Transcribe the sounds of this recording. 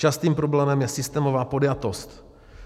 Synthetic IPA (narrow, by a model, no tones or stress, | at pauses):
t͡ʃast̪iːmpɾoblɛːmɛmjɛsɪst̪ɛːmovaːpo̞djat̪o̞st̪